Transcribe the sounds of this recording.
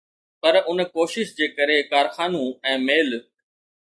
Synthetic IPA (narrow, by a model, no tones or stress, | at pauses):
pɐɾʊnkoːʃɪʃd͡ʑeːkɐɾekaːɾxaːnũɛ̃ːmeːl